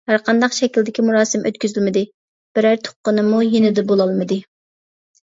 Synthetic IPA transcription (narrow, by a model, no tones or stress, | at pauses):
hæɾqʰɑnd̪ɑqʃɛkʲild̪ɪkʲimuɾɑːsɪmʔø̰t̪kʲyzylmɪd̪ɪ | b̥ɪɾæɾt̪ʰo̥qːənɨmujenɪd̪ɛbolˠɑlˠmɨd̪ɨ